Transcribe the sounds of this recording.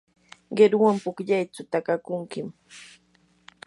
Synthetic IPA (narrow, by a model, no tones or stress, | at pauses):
ɢeɾwampʊkʎajt͡sʊt̪akakʊŋkɪm